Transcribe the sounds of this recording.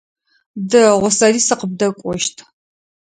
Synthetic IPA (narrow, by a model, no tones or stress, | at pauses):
dɐʁʷɔsɐriːsɨqəb̚dɐkʷʼɔʃtʰ